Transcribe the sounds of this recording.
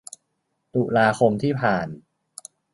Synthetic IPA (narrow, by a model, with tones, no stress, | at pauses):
t̪u˨˩laː˧kʰo˧mt̪ʰiː˥˩pʰaː˨˩n